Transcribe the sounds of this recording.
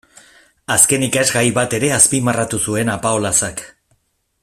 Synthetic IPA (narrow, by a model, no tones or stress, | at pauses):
aske̞nikazɡajβat̪e̞ɾe̞aspimarat̪usue̞napaolasak